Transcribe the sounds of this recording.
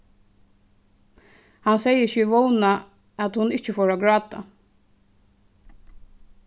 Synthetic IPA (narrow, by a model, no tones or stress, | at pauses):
hansɛjɪçɪʋɔwna | at̪hʊnɪht͡ʃəfoːɹaɡɹɑːt̪a̰